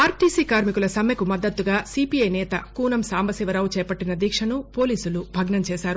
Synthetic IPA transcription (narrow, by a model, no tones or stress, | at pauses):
aːɾʈiːsiːkaːɾmikulɐsɐmjɐkumɐd̪ːɐt̪ːuɡaːsiːpijɐjnɛːt̪ɐkuːnɐmsaːmbɐsiʋɐɾɐʋut͡ʃɛːpɐʈːinɐd̪iːkʂɐnupo̞ːliːsulubʱɐɡnɐmt͡ʃɛːsaːɾu